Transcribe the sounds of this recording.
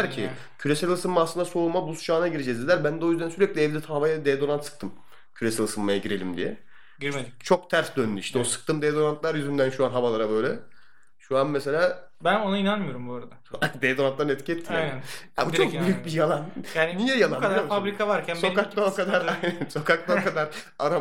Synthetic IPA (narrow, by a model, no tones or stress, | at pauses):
ɾcʰi | cʰyɾesælʲɯsɯmːaːslɯnd̪aso̞ulˠmabusu̥t͡ʃʰaːnaɟiɾid͡ʒɛzd̪ilʲæɾbænd̪ɛo̞jyzd̪ænsyɾɛclʲiɛvd̪ɛt̪ʰaavajad̪eːd̪o̞ɾant̪sɯ̥k̚t̪ʰɯm | cʰyɾesælʲɯsɯmːajaɟiɾe̞lʲimd̪ḭjɛ̰ | ɟiɾeit͡ʃʰo̞k̚t̪ʰæɾsd̪ønːyiʃt̪ɛo̞sɯ̥k̚t̪ʰɯmd̪ed̪o̞ɾant̪lˠaɾjyzynd̪ænʃuanɦavalˠaɾabø̞jlʲɛ | ʃuanmɛse̞lʲaː | bæno̞nainanmɯjo̞ɾumboɾad̪ad̪ed̪oɾant̪lˠaɾɯnɛt̪cʰiɛt̪ʰːinæja̰ːbut͡ʃʰokbyjyc̚bijalˠanjaːnnijɛjalˠanafabɾikʰavaɾcʰænsokak̚t̪aokʰad̪aɾajnænso̞kʰak̚t̪ˠakʰad̪aɾ | aɾa